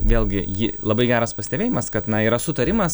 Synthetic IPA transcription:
ʋʲeːlˠʲɡʲɪjɪlˠɐbɐɪɡʲæːɾɐspɐsʲɪt̪ʲɛbʲeːjɪmɐskɐt̪nɐiːɾɐsʊt̪ɐɾʲɪmɐs

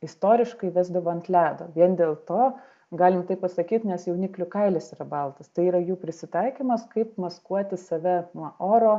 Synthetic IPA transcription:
ɪst̪oːɾʲɪʃkɐɪʋʲæːzd̪ɐʋoːɐnt̪ʲlʲæːd̪o̰ːʋʲiɛnd̪ʲeːlˠt̪oː | ɡɑːlʲɪmt̪ɐɪppɐsɐkʲiːt̪nʲɛsjɛʊnʲɪklʲʊkɐɪlʲɛsiɾɐbɐlˠt̪ɐst̪ɐɪiːɾɐjuːpʲɾʲɪsʲɪt̪ɐɪkʲiːmɐskɐɪpmɐskuɔt̪ʲɪsɐʋʲɛnuɔʔoːɾoː

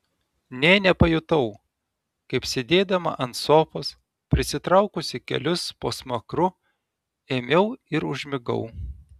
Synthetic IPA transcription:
nʲeːnʲɛpɐjʊt̪ɐʊ | kɐɪpsʲed̪ʲeːd̪ɐmɐ̰ʔɐnt̪soːpos | pʲɾʲɪsʲɪt̪ɾɐʊkʊsʲɪkʲɛ̰lʲʊspoːsmɐkɾʊ | eːmʲɛʊɪɾʊʒʲmʲɪɡɐ̰ʊ

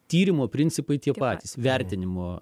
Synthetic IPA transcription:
t̪ʲiːɾʲɪmoːpʲɾʲɪnʲsʲɪpɐɪt̪ʲiɛpɑːt̪ʲiːsʋʲɛɾʲt̪ʲɪnʲɪmoː

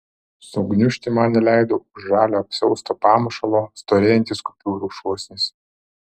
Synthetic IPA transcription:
sɔɡnʲʊʃʲt̪ʲɪmɑnnʲɛlʲæɪd̪oːʊʒʒɑːlʲoːɐpʲsʲɛʊst̪oːpɑːmɐʃɐlˠoːst̪oːɾʲeːjɛnʲt̪ʲɪskʊpʲuːɾuːʃuɔsʲnʲɪsʲ

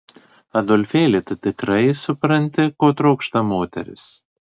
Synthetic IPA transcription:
ɐd̪ɔlʲfʲeːlʲɪt̪ʊt̪ʲɪkɾɐɪsʊpɾɐnʲt̪ʲɪkoːt̪ɾɒʊkʃt̪ɐmoːt̪ʲɛ̰ɾʲɪ̰s

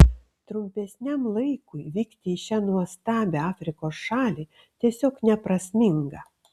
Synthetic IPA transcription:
t̪ɾʊmʲpʲɛsʲnʲɛmlˠɐɪkʊɪʋʲiːkt̪ʲɪːʃʲænuɔst̪ɑːbʲɛɑːfʲɾʲɪkoːsʃɑːlʲiː | t̪ʲiɛsʲoːknʲɛpɾɐsʲmʲɪŋɡɐ

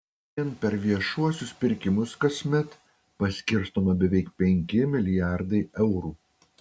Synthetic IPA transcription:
ɛnpʲɛɾʋʲiɛʃuɔsʲʊspʲɪɾʲkʲɪmʊskɐsʲmʲɛt̪ | pɐsʲkʲɪɾst̪oːmɐbʲɛʋʲɛɪkpʲɛŋʲkʲɪmʲɪlʲɪjæˑɾd̪ɐɪʔɛʊɾuː

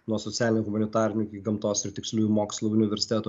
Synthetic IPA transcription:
nuɔsɔt̪sʲæːlʲɪnʲɛːɣʊmɐnʲɪt̪ɑːɾʲɪnʲukʲiɡɐmt̪oːsɪɾt̪ʲɪksʲlʲuːjmoːkslˠuʊnʲɪʋʲɛɾʲsʲɪ̥t̪ʲæːt̪o

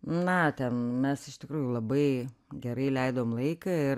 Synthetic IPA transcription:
nɐt̪ʲɛnmʲɛsɪʃt̪ʲɪkɾuːjulˠɐbɐɪɡʲɛɾɐɪlʲɛɪd̪oːmlˠɐɪkɐɪ

